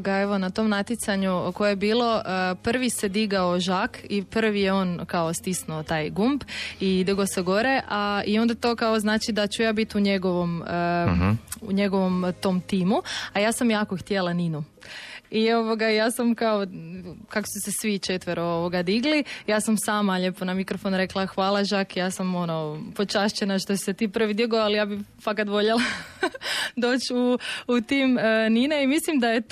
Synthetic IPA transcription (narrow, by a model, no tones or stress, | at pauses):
ɡae̞ʋo̞nat̪o̞mnat̪jit̪saɲuko̞jebiːlˠo̞əpr̩ʋise̞d̪iɡaoʒakʰipr̩ʋijeo̞nkao̞st̪isnuot̪aːjɡumbid̪iɡoseɡo̞ɾeʔaio̞nd̪at̪o̞kaoznaːt͡ʃid̪at͡ɕujaːbit̪uɲe̞ɡoʋo̞mə | ṵɲe̞ɡo̞ʋo̞mt̪o̞mt̪iːmuajaːsamjaːkoxt̪jelaninu | io̞ʋoɡajaːsamkaokako̥susesʋit͡ʃe̞t̪ʋeɾooʋoɡad̪iɡlijaːsamsaːmaʎe̞po̞namikɾofonɾe̞klˠaxʋaːlˠaʒaːkijaːsamo̞nopot͡ʃaʃt͡ɕenaʃt̪osi̥set̪iːpr̩ʋid̪iɡoalijaːbifakat̪ʋo̞ʎelˠa | d̪o̞ːt͡ɕuut̪iːmənineimislimd̪aje